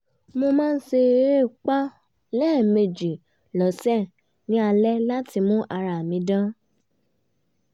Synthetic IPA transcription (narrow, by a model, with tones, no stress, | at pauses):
mo˧mãː˦˧n̩˦ʃe˧˦ɾe˦˨k͡pa˦ | lɛ˦˨me˨d͡ʒi˨ | lɔ˨sɛ˦˨ | nĩ˨˦a˧lɛ˦la˦ti˧mũ˦ʔa˧ɾa˨mĩ˨˦dã˦